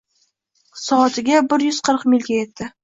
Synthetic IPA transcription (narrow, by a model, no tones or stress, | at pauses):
sɒːt̪ʰɪɡʲabɪɾjʏz̥qʰəɾqmɪlʲɡʲaje̞t̪ːɪ